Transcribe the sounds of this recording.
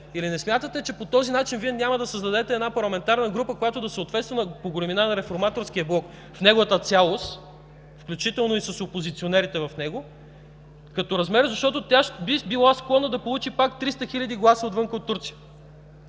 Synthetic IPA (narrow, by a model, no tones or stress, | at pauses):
ilinɛsmʲjat̪ət̪ɛt͡ʃɛpot̪ɔzinat͡ʃinviɛnʲaməd̪ɐsəzd̪ɐd̪ɛt̪ɛːd̪napɐɾlˠɐmɛnt̪aɾnəɡɾupəkojat̪od̪ɐsəoːt̪vɛt̪st̪vɐnəpoɡɾɛminanɐɾɛfoɾmat̪oɾsk̟iəblˠɔk | fnɛɡovət̪ət̪sʲalˠost̪ | fklʲut͡ʃit̪ɛlˠnoisɐsopozit̪sionɛɾit̪ɛvɐfnɛɡo | kɐt̪oɾɐzmɛɾəzɐʃt̪ɔt̪ot̪ʲaʃbibilˠasklˠɔnəd̪ɐpolˠut͡ʃipakt̪ɾist̪əxilʲɐd̪iɡlˠasəot̪vɤŋkəot̪ːuɾt̪sijə